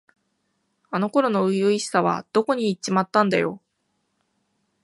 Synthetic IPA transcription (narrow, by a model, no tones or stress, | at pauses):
ano̞ko̞ɾo̞no̞ɯjɯiɕi̥saβ̞a̰d̪̥o̞ko̞ɲ̟iːt͡ɕːimat̪ːãnd̪a̰jo̞̰